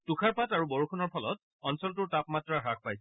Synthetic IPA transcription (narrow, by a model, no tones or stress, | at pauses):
tukʰaɹpataɹubɔɹukʰunɔɹpʰɔlɔt̚ | ɔnsɔltʊɹtapmatɹaɦak̚ʰpajsɛ